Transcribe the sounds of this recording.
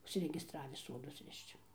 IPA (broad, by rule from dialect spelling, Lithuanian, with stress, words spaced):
ʊʃʲsʲɪrʲɛɡʲɪsˈtrɑːʋʲiː ˈsoːdʊs ˈrʲɪʃt͡ʃ